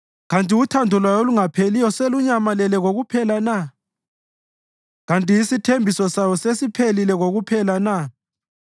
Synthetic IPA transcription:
ɣantʼiutʰandʱɔlwajoluŋapʰelijɔseluɲamalɛlɛɣoɣupʰɛlana | ɣantʼijisitʰembʱisɔsajɔsesipʰelilɛɣoɣupʰɛlana

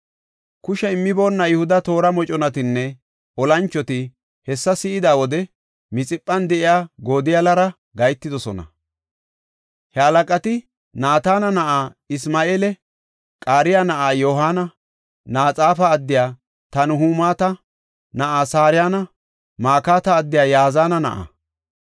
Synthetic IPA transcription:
kʊʃɛɪmːɪbo̞ːnːɐjʊhʊd̪ɐt̪o̞ːɾɐmɔt͡ʃʼɔnɐt̪ɪnːɛ | ʔɔlɐnt͡ʃːɔt̪ɪ | hɛsːɐsɪɪd̪aːwɔd̪ɛ | mɪt͡sʼɪpʼːɐnd̪ɛʔɪjaːɡoːd̪ɪjɐlɐɾɐ | ɡɐjt̪ːɪd̪ɔsɔnɐ̰ | hɛɐlɐkʼɐt̪ɪ | naːt̪aːnɐnɐʔaː | ɪsmaːʔeːlɛ | kʼaːɾɪjaːnɐʔaːjoːɦaːnɐ | naːt͡sʼaːfɐːd̪ːɪjaː | t̪ɐnʊɦuːmaːt̪ɐ | nɐʔaːsaːɾɪjaːnɐ | maːkaːt̪ɐːd̪ːɪjaːjaːzaːnɐnɐ̰ʔa̰

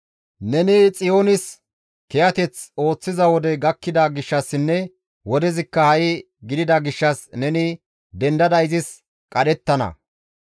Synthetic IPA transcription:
nɛnɪt͡sʼɪjo̞ːnɪs | kɛjɐt̪ɛt͡so̞ːt͡sːɪzɐwɔd̪ɛɡɐkːɪd̪ɐɡɪʃːɐsːɪnːɛ | wɔd̪ɛzɪkːɐhɐjɪ | ɡɪd̪ɪd̪ɐɡɪʃːɐsnɛnɪ | d̪ɛnd̪ɐd̪ɐjzɪs | kʼɐɗɛt̪ːɐnɐ̰

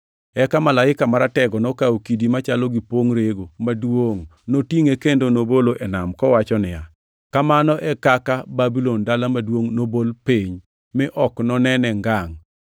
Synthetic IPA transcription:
ɛkamalaɪkamaɾatɛɡɔnɔkaokidimat͡ʃalɔɡipoŋɾeɡomadwoŋnotiŋekendonoboloʔɛnamkɔwat͡ʃɔnɪja | kamanɔʔɛkakababilɔndalamadwoŋnobolpiɲ | mɪʔɔknɔnɛnɛŋɡaŋ

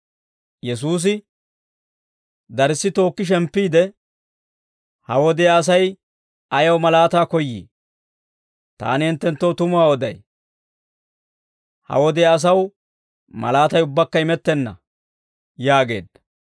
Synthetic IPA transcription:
jɛs̬uːs̬ɪ | d̪ɐɾɪsːɪt̪o̞ːkːɪʃ̬ɛmpːiːd̪ɛ | hɐwɔd̪ɛaːs̬ɐj | ɐjɐwmɐlaːt̪aːkɔjːḭː | t̪a̰ːnɪɪnt̪ːɛnt̪ːowt̪ʊmʊwaːwɔd̪ɐ̰j | hɐ̰wɔd̪ɛjaːs̬ɐw | mɐ̰laːt̪ɐjʊbːɐkːɐɪmɛt̪ːɛnːɐ̰ | jaːɡe̞̰ːd̪ɐ

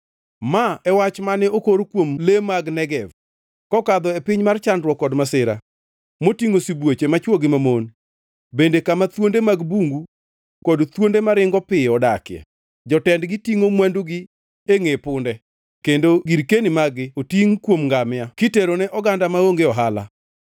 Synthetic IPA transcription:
maɛwat͡ʃmanɛokoɾokwomlemaɡnɛɡɛv | kɔkad̪ɔepɪɲmart͡ʃandɾwɔkːɔdmasɪɾa̰ | motiŋosibwet͡ʃemat͡ʃwoɡɪmamon | bendekamat̪wondemaɡbuŋɡu | kɔdt̪wondemaɾɪŋɡɔpɪɔdakɪɛ̰ | d͡ʒɔtɛndɡɪtiŋomwanduɡɪ | eŋepʊndɛ | kendoɡiɾkenimaɡɪotiŋkwomŋɡamɪakiteɾonɛʔɔɡandamaoŋɡeɔɦala̰

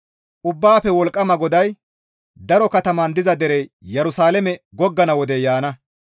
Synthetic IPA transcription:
ʔʊbːaːpːɛwɔlkʼːɐmɐɡɔd̪ɐj | d̪ɐɾɔkɐt̪ɐmɐnd̪ɪzɐd̪ɛɾɛjɛɾʊsaːlɛmɛɡɔɡːɐnɐwɔd̪ɛjaːnɐ

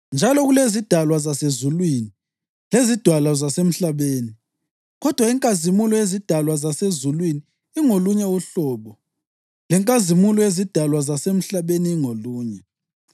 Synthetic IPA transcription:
nd͡ʒʱalɔɣulezid̥ʱalwazasezulwiːni | lezid̥ʱwalazasem̩ɬaβeːni | ɣɔd̥ʱwaiŋkʼazimulɔezid̥ʱalwazasezulwiniː | ŋoluɲɛuɬɔːɓɔ | lɛŋkʼazimulɔezid̥ʱalwazasem̩ɬaβeniːŋoluːɲɛ

